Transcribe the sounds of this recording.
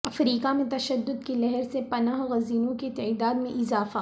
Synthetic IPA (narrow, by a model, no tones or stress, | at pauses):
ɐfɾiːkamẽt̪ɐʃɐd̪ːʊd̪̚kilɛɦɛɾsepɐnaːɦɣɐziːnõket̪ɛːd̪aːd̪mẽʔɪzaːfa